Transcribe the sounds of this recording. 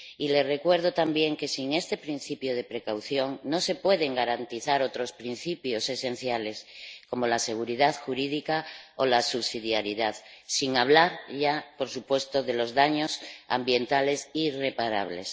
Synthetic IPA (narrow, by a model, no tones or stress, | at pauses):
ile̞sre̞kwe̞ɾð̞ot̪ambje̞ŋke̞siŋe̞st̪e̞pɾin̟θipjoð̞e̞pɾe̞kawθjo̞ŋno̞se̞pwe̞ðe̞ŋɡaɾant̪iθaɾo̞t̪ɾo̞spɾin̟θipjo̞se̞sẽ̞n̟θjale̞sko̞mo̞lase̞ɣ̞uɾiðaðxuɾiðikaolasuβsiðjaɾiðaðsiŋaβ̞laɾʝapo̞ɾsupwe̞st̪oðe̞lo̞zðaɲo̞sa̰mbje̞nt̪ale̞sire̞paɾa̰βle̞̰s